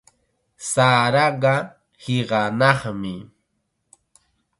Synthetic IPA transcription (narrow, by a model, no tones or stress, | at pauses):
saːɾɑɢɑ | hɪɢɑnɑχmɪ